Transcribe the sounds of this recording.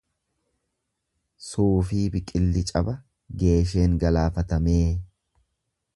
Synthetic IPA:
suːfiːbɪkʼɪlːɪt͡ʃʼɐbɐ | ɡe̞ːʃ̬e̞ːŋɡɐlaːfɐt̪ɐme̞ː

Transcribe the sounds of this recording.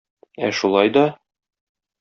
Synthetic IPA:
æʃulˠɑjd̪ɒ

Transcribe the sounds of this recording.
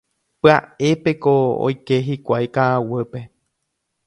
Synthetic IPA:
pɨae̞pe̞koo̰jke̞ɦikʷajkaːwɨpe

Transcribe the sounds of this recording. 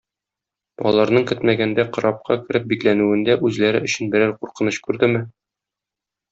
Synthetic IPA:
ɒ̰lˠɑɾnɤɴkɘt̪mæɡænd̪æqɤ̆ɾɑp̚qʰɑ̰kɘ̆ɾɘp̚biklænʉɘ̆nd̪æʔʉzlæɾɘɵ̆ɕɘ̆nbɘ̆ɾæɾquɾqɤ̆nɤɕkʉɾd̪ɘmɘ

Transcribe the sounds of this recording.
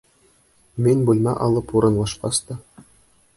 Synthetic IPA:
mʲenʲbulʲmɑ̰ʔɑlˠɤ̆puɾɤ̆nlˠɑʂqɑst̪ɑ

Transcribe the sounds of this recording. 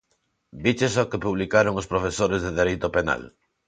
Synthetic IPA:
bit͡ʃesokepuβ̞likaɾoŋospɾofesoɾezðeðeɾejt̪opena̰l

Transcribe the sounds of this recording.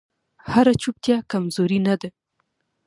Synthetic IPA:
haɾat͡ʃup̚t̪jakamzoɾinad̪a

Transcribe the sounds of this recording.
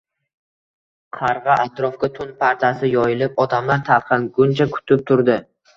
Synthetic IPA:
qʰɑɾʁɑʔat̪ɾɒfkʲat̪ʰʊnpʰaɾt̪ʰasɪjɒjɪlɪpɒd̪amlant̪ʰaɾqʰɑnɡʊnt͡ʃʰakʰʊ̥t̪ʰɪp̚t̪ʰʊɾd̪ɪ

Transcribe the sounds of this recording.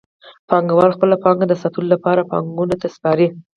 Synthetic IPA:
pɑŋɡawɑlxpəlapɑŋɡad̪əsat̪ulolapɑɾapɑ̰ŋɡunot̪aspɑɾi

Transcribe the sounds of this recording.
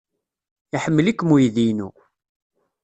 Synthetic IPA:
iħəmːəlikːmujðinṵ

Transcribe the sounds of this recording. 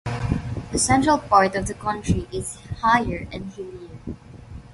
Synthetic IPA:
ðəsɛ̃ntɹəlˠpaɹtɔvðəkʰʌ̃ntɹ̥iʔɪz̥haɪə˞ɛ̃nhɪliə˞

